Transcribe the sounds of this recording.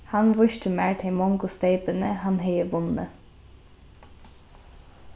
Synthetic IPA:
hanʋʊʃt̪əmæːɹt̪ʰɪmɔŋɡʊst̪eɪt̪ənəhanɦɛjəʋʊnə̰

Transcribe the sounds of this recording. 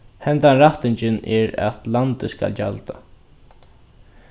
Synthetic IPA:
hɛnt̪anɾaht̪ɪɲt͡ʃɪnɛɾa̰t̪lant̪ɪska̰ld͡ʒalt̪a

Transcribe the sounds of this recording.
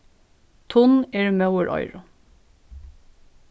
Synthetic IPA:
t̪ʰʊneːɹmɑʉəɹʔɔ̰ʏɹʊ

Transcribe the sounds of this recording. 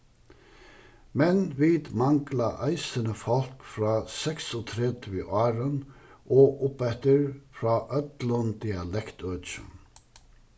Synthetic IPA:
mɛnʋiːd̪mɑŋɡlaʔæɪsənəfɔlkfɾɑːsɛksɔt̪ʰɾɛd̪ʋiʔɑːɾənʔoːʔʊpɛt̪əɹfɾɑːʔœt̪lənd̪ɪɑlɛkt̪ʰøːt͡ʃə̰n

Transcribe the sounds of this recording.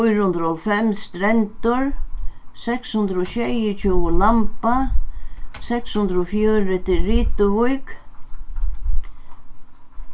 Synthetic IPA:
jɾhʊnd̪ɾɔlfɛmst̪ɾɛnt̪ʊɹ | sɛkshʊnd̪ɾɔɕɛjʊt͡ɕʰuwʊlampa | sɛkshʊnd̪ɾɔfjœːɾɪt̪ʰɪlriːt̪ʊvujk

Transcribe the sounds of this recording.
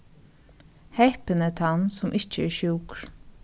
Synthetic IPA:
hɛɪpənət̪ʰɑnsʊmʔɪt͡ʃːəɛɹʃuːkɾ

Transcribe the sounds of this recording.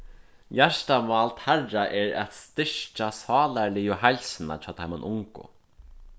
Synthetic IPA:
jæʂt̪amaːlt̪hɛrːaʔɛɹɛ̰t̪st̪ɪʂt͡ʃasɑːlalɪjʊɦajlsɪna̰t͡ʃʰaːt̪ʰajmanʔʊŋkʊ̰

